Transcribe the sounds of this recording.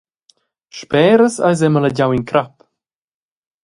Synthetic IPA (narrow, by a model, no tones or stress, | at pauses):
ʃpɛːɾəsa̰jz̬ɛmələɟawinkɾap